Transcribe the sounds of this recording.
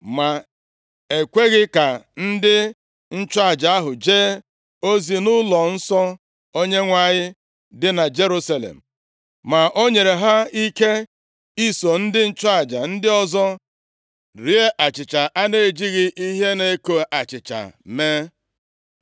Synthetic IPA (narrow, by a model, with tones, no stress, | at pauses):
ma˨ | e˨kʷe˦ɣɪ˦ka˨n̩˦dɪ˦ | n̩˦t͡ʃa˦˨d͡ʒa˨a˦ɦʊ˨d͡ʒeː˦ | o˦zi˨nʊ˦lɔ˨n̩˦sɔ˦ | o˦ɲe˦ŋʷa˨ɲɪ˦ | dɪ˦na˨d͡ʒe˦ɾu˦sa˦lḛ˨m̩˨ | ma˨ʔo˦ɲe˨ɾe˨ɦa˦i˦ke˦ | i˦so˨n̩˦dɪ˦n̩˦t͡ʃa˦˨d͡ʒa˨n̩˦dɪ˦ɔ˦zɔ˦ | ɾi˨e˦ʔa˨t͡ʃɪ˨t͡ʃa˨ʔa˦ne˦e˨d͡ʒi˦ɣɪ˦ʔi˦ɦe˦ne˦ko˨a˨t͡ʃɪ˨t͡ʃa̰˨me˦